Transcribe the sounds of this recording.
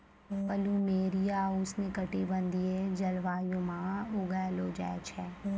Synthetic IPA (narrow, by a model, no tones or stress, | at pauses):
pɐlumeːɾijaːʊsnekɐʈibə̃nd̪ied͡ʒɐlʋaːjõmãːʊɡɛloːd͡ʒɛ̰ːt͡ʃʰɛː